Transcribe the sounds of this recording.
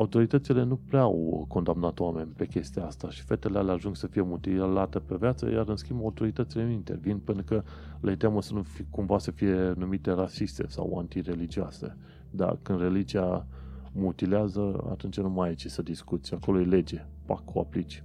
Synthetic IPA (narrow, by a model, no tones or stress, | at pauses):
aut̪o̞ɾit̪ət̪sile̞nupɾeaa̰wko̞nd̪amnat̪owame̞nʲpe̞kʲe̞st̪ijaast̪aʃi̥fe̞t̪elealeaʒuŋɡsəfije̞mut̪ilat̪epe̞vjat̪sə̰jaɾɨnskʲimbaut̪o̞ɾit̪ət̪silenuint̪e̞rvinpenukə | let̪eaməsənufikumvasəfije̞numit̪e̞rasist̪e̞̰sa̰wa̰nt̪ire̞lid͡ʒioa̰se̞̰ | d̪a̰kɨnd̪re̞lid͡ʒiamut̪ileazəa̰t̪unt͡ʃanumajet͡ʃisəd̪iskut̪sʲako̞loele̞d͡ʒe̞pakʰːoa̰plit͡ʃ